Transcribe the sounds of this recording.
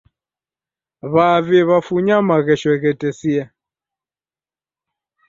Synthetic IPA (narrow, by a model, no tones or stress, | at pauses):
βaβɛβafuɲamaɣɛʃwɛɣɛtɛsia